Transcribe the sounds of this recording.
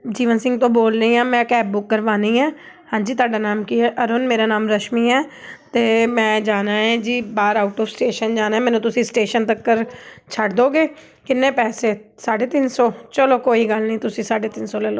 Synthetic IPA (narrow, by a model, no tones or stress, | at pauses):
d͡ʒiːʋənsɪ̃ŋɡ̚t̪õːboːlɾəĩːãːmɛ̃ːkɛːb̚bʊkːəɾʋaːnĩːɛː | hãːɲd͡ʒiːt̪̬aːɖaːnaːmkɪɛːʔɔːɾʊnmeːɾaːnaːmɾəʃmiːɛːt̪eːmɛ̃ːd͡ʒaːnaːɦɛ̃ːd͡ʒiːbaːɾaːʊʈɔːʋsʈeːʃənd͡ʒaːnaːɛːmɛːnũːt̪ʊsĩːsʈeːʃənt̪əkːəɾt͡ʃʰəɽd̪oːɡeː | kɪnːẽːpɛːseːsaːɖeːt̪ɪnsoːt͡ʃəloːkoːiːɡəlnĩːt̪ʊsĩːsaːɖeːt̪ɪnsoːlɛːloː